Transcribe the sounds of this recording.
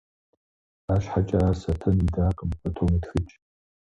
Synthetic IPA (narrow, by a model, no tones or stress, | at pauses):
aːʃħat͡ʃʼɐasɐtʰɐnidaːqʼəmpʼɐtʰomitxɨt͡ʃʼ